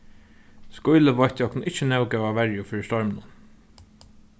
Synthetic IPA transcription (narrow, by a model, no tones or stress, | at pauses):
skʊjləʋɔjht̪ɔknnɪht͡ʃːənɛwkɛːʋaʋɛɹjʊfiːɹɪst̪ɔɹmənʊn